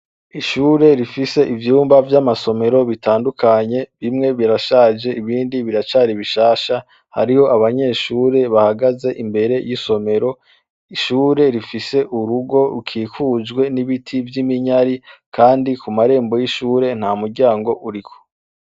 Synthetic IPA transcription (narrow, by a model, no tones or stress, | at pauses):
iʃuːɾe̞ɾifise̞ʔivjuːmbavjamaso̞me̞ɾo̞βitaːndukʰaɲe̞βimŋe̞βiɾaʃaːd͡ʒe̞ʔiβiːndiβiɾat͡ʃaɾiβiʃaːʃa | ha̰ɾiho̞ʔaβaɲe̞ːʃuːɾe̞βahaɡaze̞ʔimbe̞ɾe̞jiso̞me̞ɾo̞ | iʃuːɾe̞ɾifise̞ʔuɾuɡo̞ɾukʰiːkuːd͡ʒɡwe̞niβitʰivjimiɲaɾikʰaːndikumaɾe̞ːmbo̞jiʃuːɾe̞n̥haːmuɾɟaːŋɡo̞ʔuɾikʰo̥